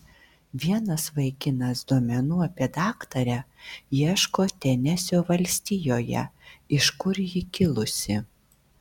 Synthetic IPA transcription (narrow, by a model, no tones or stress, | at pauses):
ʋʲiɛnɐsʋɐɪkʲɪnɐsd̪uɔmʲɛnuːɐpʲiɛd̪ɑːkt̪ɐɾʲæjiɛʃkoːt̪ʲɛnʲɛsʲoːʋɐlʲsʲt̪ʲijoːjɛ̰ɪʃkʊɾjɪkʲɪlˠʊsʲɪ